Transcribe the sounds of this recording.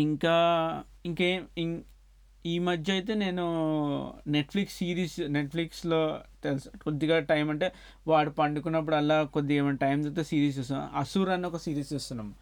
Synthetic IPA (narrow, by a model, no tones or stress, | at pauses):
iŋkaː | iŋkeːmiŋ | iːmɐd̪ʱjɐjt̪̬e̞ːne̞ːnu | neʈpʰliksːiːɾiːsneʈpʰlikslo̞ːt̪elskod̪ːiɡaːʈɐjmɐɳʈe̞ː | ʋaːɽupɐɳɖukunːɐp̬ːuɽuɛlaːkod̪ːiɡɐmɐɳʈɐjmt̪ɐt̪ːesiːɾiːst͡ʃesuna̰ɐsuɾɐnːiɔkɐsiːɾiːst͡ʃeːst̪unːaːm